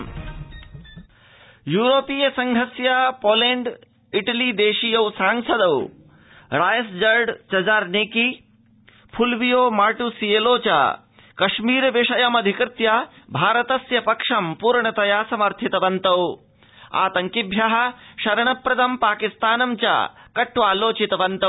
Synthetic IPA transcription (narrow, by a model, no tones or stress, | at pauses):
juːɾoːpijɐsɐŋɡʱɐsjapoːleːɳɖ | iʈɐliːd̪eːʃijɐwsãːŋsɐd̪ɐw | ɾaːjɐsd͡ʒɐɾɖt͡ʃɐd͡ʒaːɾneːki | pʰulʋijoːmaːʈusijeːloːt͡ʃa̰ | kɐʃmiːɾʋiʂɐjɐmɐd̪ʱikɾɪt̪ja | bʱaːɾɐt̪ɐsjɐpɐkʂɐmpuːɾɳɐt̪ɐjaːsɐmɐɾt̪ʰit̪ɐʋɐnt̪ɐw | a̰ːt̪ɐŋkibʱjaɦɐ̆ʃɐɾɐɳɐpɾɐd̪ɐmpaːkist̪aːnɐmt͡ʃa̰kɐʈːuaːloːt͡ʃit̪ɐʋɐnt̪ɐ